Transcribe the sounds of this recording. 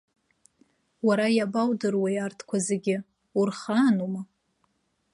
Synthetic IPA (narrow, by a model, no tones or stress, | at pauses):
waɾajabawdɨrwajartʰkʷʰazeɡʲɪ | urχanuma